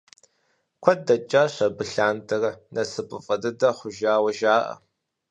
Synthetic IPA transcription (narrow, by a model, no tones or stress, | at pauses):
kʷʰɐdɐt͡ʃʼaɕʷɐbɨɬaːntʰɨrnɐsɨpʼɨfʼɐdɨdɐχʷʊʒaːwɐʒaːʔɐ̰